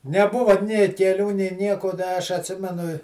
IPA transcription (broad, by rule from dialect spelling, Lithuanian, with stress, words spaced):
nʲɛˈbʊʋɐ nʲeː kʲɛˈlʲuː nʲeː ˈnʲiɛkoː ˈdɐ ɐʃ ɐtʲˈsʲɪmʲɛnʊ ɪ